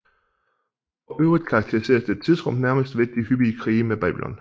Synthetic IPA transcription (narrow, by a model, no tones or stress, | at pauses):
ɒ̽ʔøːʊʁid̥̚kʰɑ̈ɡ̥̚t͡sʰeʁise̝̰ːɐsd̥ed̥̚t͡sʰið̞ˠsʁɔ̽m̰næɐməsd̥ʋed̥̚d̥ihyb̥iːəkʰʁiːmeb̥ɛ̰ːb̥ilɒ̽n